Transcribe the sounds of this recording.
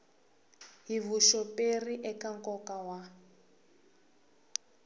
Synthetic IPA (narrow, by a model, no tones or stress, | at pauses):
ɦivuʃɔperiʔɛkaŋkɔkawa